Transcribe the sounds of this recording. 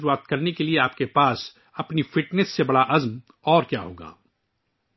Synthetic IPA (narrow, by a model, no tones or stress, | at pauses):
ɾuaːt̪̚kɐɾnekelieaːpkepaːs | ɐpnifɪʈnəsːebɐɽaʔɐzm | ɔːɾkjaːɦoːɡa̰ː